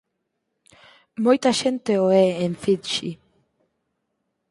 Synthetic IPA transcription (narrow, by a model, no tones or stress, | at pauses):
mojt̪aʃent̪eoɛeɱfid̪ʃi